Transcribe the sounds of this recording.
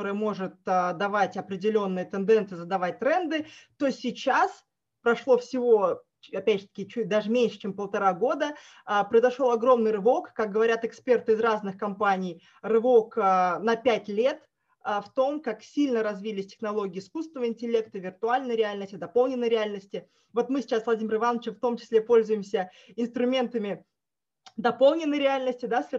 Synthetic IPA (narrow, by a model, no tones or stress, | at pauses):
oɾɨjəmo̞ʐɨt̪̚əd̪ɐvatʲɐpɾʲɪdʲɪlʲo̞nːɨjət̪ɨnd̪ɛnt̪sɨjzəd̪ɐvat̚ʲt̪ɾɛnd̪ɨt̪o̞sʲɪt͡ɕas | pɾɐʂlˠo̞fsʲɪvo̞ | apʲædʲʐɨt̪ə̥kʲɪt͡ɕut̚ʲd̪aʐɨmʲenʲʂɨ̥t͡ɕempəlˠt̪ɐɾaɡo̞d̪ə | əpɾəɪzɐʂo̞lˠɐɡɾo̞mnɨjɾɨvo̞kkːak̚ɡəvɐɾʲat̪ɨkspʲe̞rt̪ɨɪzraznɨxkɐmpanʲɪj | rɨvo̞kənɐpʲætʲlʲe̞t̪ | əft̪o̞mkaksʲilʲnəɾɐzvʲilʲɪsʲtʲɪ̥xnɐlˠo̞ɡʲɪːskust̪vəɪnʲtʲɪlʲe̞kt̪ɨvʲɪrt̪ʊalʲnəjɾʲɪalʲnəsʲtʲɪd̪ɐpolˠnʲɪnːəjɾʲɪalʲnəsʲtʲɪ | vo̞t̪mɨsʲɪ̥t͡ɕasvlˠɐdʲimʲɪɾrɨvanːət͡ɕɪft̪o̞mt͡ɕɪ̥sʲlʲepo̞lʲzʊjɪmsʲə | ɪnst̪ɾʊmʲe̞nt̪əmʲɪ | d̪ɐpo̞lˠnʲɪnːəjɾʲɪalʲnəsʲtʲɪd̪asʲɪ